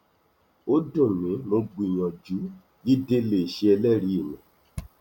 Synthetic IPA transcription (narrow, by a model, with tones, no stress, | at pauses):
o˦dõ˦˨nĩ˨˦lo˧ɡ͡bĩ˨jɔ̃˨d͡ʒu˨˦ | ɡi˦de˦le˦˨ʃe˧ɛ˧lɛ˦˨ɾi˧˦i˦˨mĩ˨